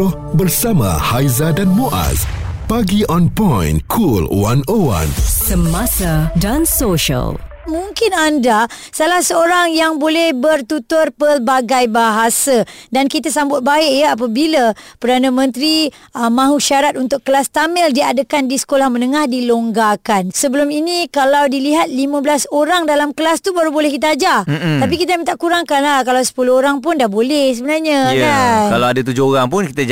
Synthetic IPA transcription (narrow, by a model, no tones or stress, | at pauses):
ɔh | bərsamã̰hajzadanmuʔa̰s | paɡiʔɔ̃npɔ̃jnkʰulwa̰nəwa̰nsəmasadansoʃə̰l | muŋkɪnandasalahsəoɾaŋjaŋbolɛhbərt̪ut̪ʊrpərbaɡajbaɦasadankit̪asambʊt̪̚baɪʔjaap̬abiləpərdanəmə̃nt̪ɾiəmãɦuʃaɾat̪̚unt̪ʊkkːəlast̪amɛldiadəkandisə̥kolahmənəŋahdiloŋɡakansəbəluminikalawdiliɦat̪̚limə̃bəlasoɾaŋdalamkəlast̪ubaɾubolɛhkit̪aad͡ʒat̪ap̬ikit̪aməŋt̪aʔkuɾaŋkanlahkalawsə̥puluhoɾaŋpʊndahbolɛhs̬əbənarɲəjankalawadət̪ud͡ʒooɣaŋpʊnkit̪a